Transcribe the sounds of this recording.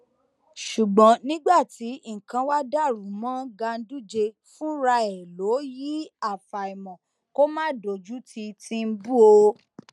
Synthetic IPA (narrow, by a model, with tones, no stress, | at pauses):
ʃu˨ɡ͡bɔ̃˨˦nĩ˦ɡ͡ba˦˨ti˨˦ŋ̩˨kã˧wa˦da˦˨ɾu˨˦mã˦ɡa˧n̩˦du˦˨d͡ʒe˧ | fũ˦ɾa˧ɛ˨lo˨˦ji˨˦a˦˨fa˨i˨mɔ̃˨ | ko˦mãː˦˨do˨d͡ʒu˨˦tʰi˧tĩ˧n̩˦bu˦o˧